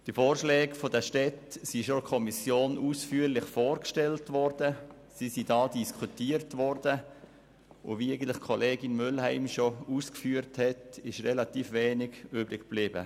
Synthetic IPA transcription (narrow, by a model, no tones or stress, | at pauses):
d̥ifoːɾʃlɛːɡfodəʃtɛtsiʃokʰɔmisjoːnuːsfyːəɾlɪχfoːɾkʃtɛltʋɔɾd̥ə | sisidɑːdiskʰutiːəɾtʋɔɾdə | ʊ̰ʋiaɪɡən̩tlɪχkʰɔleːɡɪnmʏlhæɪmʃouːskfyːəɾthɛtɪʃrɛlɑtiːfʋɛːnɪɡ̥yːbɾɪkb̥lɪːbə̰